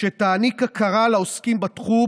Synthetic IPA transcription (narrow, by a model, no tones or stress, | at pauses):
ʃet̪aːnikakaʁalaoskimbat̪χu